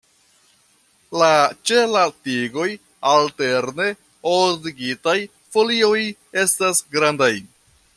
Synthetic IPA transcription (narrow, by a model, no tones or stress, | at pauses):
lat͡ʃe̞latiɡo̞j | alte̞ɾne̞ | odiɡitaj | fo̞lio̞je̞stasɡɾandaj